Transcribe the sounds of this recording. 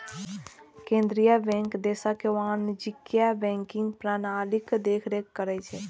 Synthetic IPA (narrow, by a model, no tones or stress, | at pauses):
kẽnd̪ɾijabɛ̃ŋkd̪esakewanid͡ʒikːjabɛ̃ŋkiŋɡpɾanalikd̪ekʰɾekːəɾɛt͡ʃʰɛ